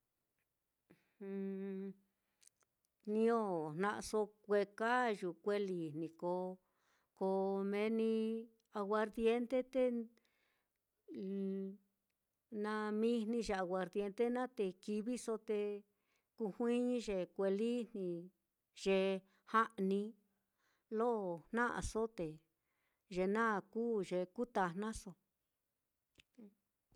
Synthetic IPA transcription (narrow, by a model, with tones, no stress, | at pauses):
hũ˧ | nĩ˧˦o˦nnã˧ʔso˧kʷe˧ka˦ʒu˨kʷe˦li˨nĩ˨ko˧ | ko˧mẽ˧˦nĩ˧ | a˧ɣwa˧ɾðje˦nt̪e˦t̪e˦ | nã˧mĩ˦nnĩ˧ʒe˧a˨ɣwa˨ɾðje˧nt̪e˦nã˦t̪e˧ki˧βi˦so˧t̪e˧ | ku˧hwĩː˦ʒe˨kʷe˧li˦n̥ĩ˧ | ʒ̥e˧ | ha˦ʔnĩ˧ | lo˦˨n̥ã˦ʔa̰˨so˦t̪e˨ | ʒe˧nã˦˨kuː˦ʒe˧˨ku˦t̪a˧n̥ã˦so˧